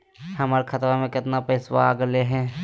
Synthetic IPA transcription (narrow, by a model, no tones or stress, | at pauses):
hɐmaːɾekʰɐt̪ɾamẽkɪt̪napəɪswa̰aɡleɦɛ̃ː